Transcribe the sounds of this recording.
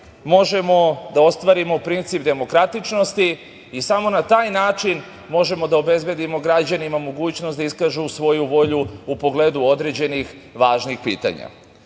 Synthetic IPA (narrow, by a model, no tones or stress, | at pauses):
mo̞ʒe̞mo̞d̪ao̞st̪ʋaɾimo̞pɾint̪sip̚d̪e̞mo̞kɾat̪it͡ʃno̞st̪iː | samo̞nat̪aːjnaːt͡ʃin | mo̞ʒe̞mo̞d̪ao̞be̞zbe̞d̪imo̞ɡɾad͡ʑanimamo̞ɡuːt͡ɕnosd̪aiskaːʒusʋo̞juʋo̞ʎuupo̞ɡleːd̪uo̞d̪ɾe̞d͡ʑe̞nix | ʋaːʒnixpḭːt̪a̰ɲa̰